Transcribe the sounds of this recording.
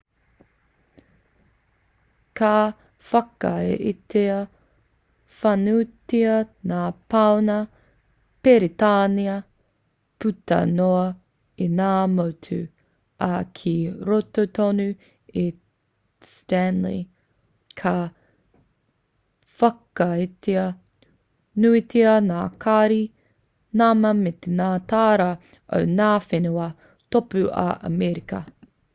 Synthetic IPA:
kʰa | fɐkɐḛʔiteɐ | fɐnutiɐnaːpawnɐ | peɾitaːniɐ | putɐ̰noɐ | inaːmotʰʉ̰ | ʔɐkʰiɾototonu | e | stænlḭ | kʰɐ | fɐkɐeteɐ | nuitʰeɐnaːkʰaɾi | namɐmet̪enaːtaːɾɐ | o̰wnaːfenuɐ | topʉɐ̰ʔɐ̰mɛɾikɐ

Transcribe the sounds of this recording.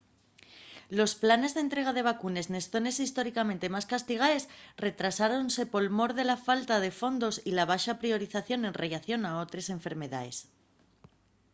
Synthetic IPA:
lo̞splane̞zðent̪ɾe̞ɣ̞aðe̞β̞akune̞zne̞sθo̞ne̞sist̪o̞ɾikament̪e̞maskast̪iɣ̞ae̞sre̞t̪ɾasaɾo̞nse̞po̞lmo̞ɾðe̞lafalt̪að̞e̞fo̞nd̪o̞silaβ̞aʃapɾio̞ɾiθaθjo̞ne̞nreʎaθjo̞nao̞t̪ɾe̞se̞ɱfe̞ɾme̞ða̰e̞s

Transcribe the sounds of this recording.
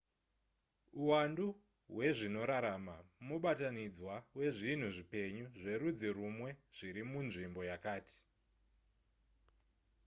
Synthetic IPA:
uwandu | ɦwe̞ʐino̞ɾaɾamamuɓatanid͡zwawe̞ʐin̤uʐipe̞ɲuʐe̞ɾud͡ziɾumwe̞ʐ̥iɾimunʐimbo̞jakaːti̥

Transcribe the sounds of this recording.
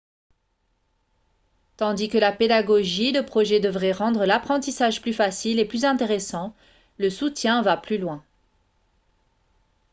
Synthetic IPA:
t̪ɑ̃d̪ikəlaped̪aɡɔʒid̪əpχɔʒɛd̪əvʁɛʁɑ̃d̪ʁəlapχɑ̃t̪isaʒplyfasileplyzɛ̃t̪eʁesɑ̃ | ləsut̪jɛ̃vaplylwɛ̃

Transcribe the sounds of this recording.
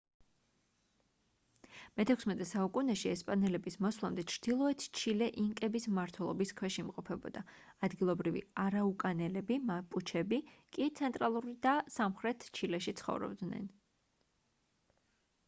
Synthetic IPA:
mɛt̪ʰɛkʰsmɛt̪ʼɛsaukʼunɛʃiɛspʼanɛlɛbismɔswlˠamd̪ɛt͡ʃʰɾd̪̥ilˠɔɛt̪ʰt͡ʃʰilɛʔiŋkʼɛbismaɾt̪ʰwɛlˠɔbiskʰwɛʃiːmqʼɔpʰɛbɔ̰d̪̥aː | d̪ɡilˠɔbɾivḭaɾaukʼanɛlɛbimapʼut͡ʃʰɛbikʼit̪sʰɛnt̪ʼɾalˠuɾid̪asamχɾɛt̪ʰt͡ʃʰilɛʃit̪sʰχɔ̰vɾɔ̰bd̪nɛ̰n

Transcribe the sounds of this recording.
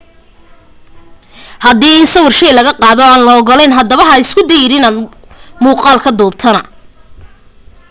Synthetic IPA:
hɐd̪iːɪnsɐwʊrʃɛjlɐɣɐqɑːðɔaːnlɐɣɔlɛnɦɐd̪ɐβɐɦɐɪskʰʊd̪ɛjɪɾɪnaːn | muːqɑːlkʰɐd̪ɔːb̚t̪ʰɐnɐ

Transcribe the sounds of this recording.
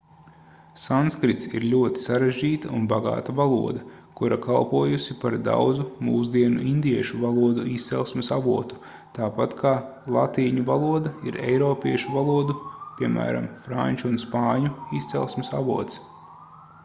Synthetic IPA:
sanskɾit̪sḭɾlʲuɔt̪i̥saɾeʒʲd͡ʒiːt̪aunbaɡa̰ːt̪avalˠṵɔd̪ɐkuɾakʰalˠpuɔjusipaɾd̪a̰wd̪zumuːzd̪iɛnuind̪iɛʃuvalˠuɔd̪uiːst̪sɛlˠsmesavuɔt̪u̥ | t̪aːpat̪kʰaːlˠat̪iːɲuvalˠuɔd̪aiɾɛ̰jɾɔːpʲiɛʃuvalˠuɔd̪upʲiɛmæ̰ːɾa̰mfɾa̰ɲʲt͡ʃuːnspɑːɲuist̪sɛ̰lˠsmesa̰vuɔt̪s

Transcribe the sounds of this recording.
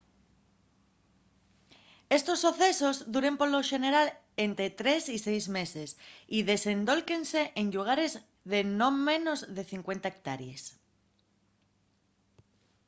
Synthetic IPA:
e̞st̪osːoθesozðuɾe̞mpoloʃe̞neɾal | ent̪ɾet̪ɾe̞sisejzme̞sesiðe̞send̪o̞lkenseʔenʎuɣ̞aɾez | ðenõmẽ̞no̞zðeθiŋkwe̞nt̪aek̚t̪aɾjes

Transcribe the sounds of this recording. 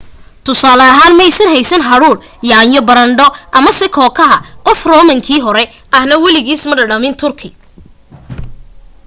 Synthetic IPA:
t̪ʰʊsaːlɐɦaːnmɛjsɐnɦɛjsɐnɦɐɽuːɽ | jaːnjɔbɐɾɐɳɖɔʔɐmɐsɪkʰɔːkʰɐɦɐqɔfrɔːmɐŋkʰiːɦɔɾɛ | ʔɐhnɐwɐlɪɣiːsmɐɖɐɖɐmɪnt̪ʰʊrkʰɪ

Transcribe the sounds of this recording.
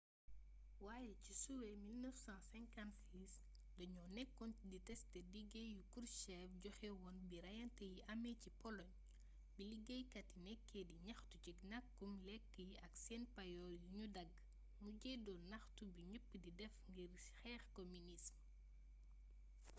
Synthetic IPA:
waːjɛcisuwɛmilnəfsãːsɛŋkantsiːs | dɔɲɔnɛkːɔnditɛstɛdiɡejukuɾʃɛːfɟɔxɛwɔnbiɾɐjɐntɛjiʔɐmɛcipɔlɔɲ | biliɡejkɐtinɛkːediɲɐxtut͡ʃiknɐkːumlɛkːəjiʔɐksɛnpɐjɔjuɲudɐɡ | muɟɛdɔnɐxtubiɲupːdidɛfŋɡir | xɛːxkominism

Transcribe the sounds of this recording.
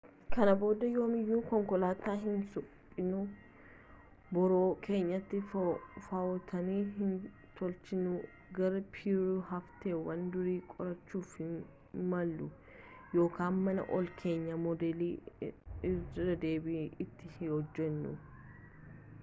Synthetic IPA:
kɐnɐbo̞ːd̪ɐjo̞ːmɪjːuːkɔŋkɔlaːt̪aːɦɪnsʊpʼːɪnʊ | bɔɾoːkʰe̞ːɲːɐt̪ːɪfɐɔt̪ʰɐniːɦɪn | t̪ɔlt͡ʃɪnʊ | ɡɐɾɐpʰiɾʊɦɐft̪eːwɐnd̪ʊɾiːkʼɔɾɐt͡ʃːuːfhɪn | mɐlːʊ | jo̞ːkʰaːnmɐnɐ̰ʔɔlkʰeːɲːɐmɔd̪ɛliː | ɐd̪e̞ːbiːɪt̪ːɪhhɔd͡ʒːɛnːʊ̰

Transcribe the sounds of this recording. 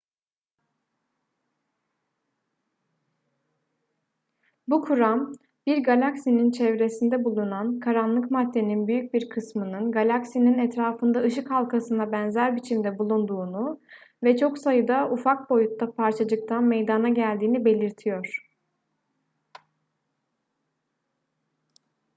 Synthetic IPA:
bukʰuɾam | biɾɡalʲaksinint͡ʃʰɛvɾe̞sind̪ɛbulˠunankʰaɾanlˠɯkmad̪ːe̞ninbyjyc̚biɾkʰɯsmɯnɯnɡalʲaksininɛt̪ɾaːfɯnd̪aɯʃ̬ɯkhalˠkʰasɯnd̪abɛnzæɾbit͡ʃʰimd̪ɛbulˠund̪uːnuvɛt͡ʃʰo̞ksajɯd̪aufak̚bo̞jut̪ːapʰaɾt͡ʃʰad͡ʒɯk̚t̪ʰanmejd̪anaɟælʲd̪iːnibe̞lʲiɾt̪ʰijo̞ɾ̝̥

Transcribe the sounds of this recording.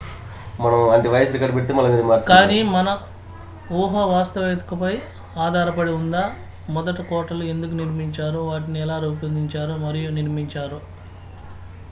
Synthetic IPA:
mɐnɐmɐɳʈeʋɐjɐsɾikaːɖpeʈt̪eːmɐlɐmaːɾkaːniːmɐnɐ | uːɦɐʋaːst̪ɐʋeːt̪ukɐpɐj | aːd̪ʱaːɾɐpɐɽiund̪aː | mɔd̪ɐʈikɔːʈɐlue̞nd̪uk̬uniɾmiɲt͡ʃaːɾuʋaːʈiniɛlaːɾupind̪iɲt͡ʃaːɾumɐɾijuniɾmiɲt͡ʃaːɾu

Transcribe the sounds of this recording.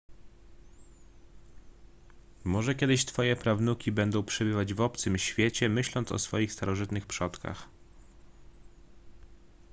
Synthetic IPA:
mɔʐɛkʲɛd̪ɘɕt̪fɔjɛpɾavnukʲibɛnd̪ɔ̃w̃pʂɛbɘvad͡ʑvɔp̚t̪sɘmɕfʲjet͡ɕɛmɘɕlɔnt̪sɔ̰sfɔjixst̪aɾɔʐɘt̪nɘxpʂɔt̪ka̰x

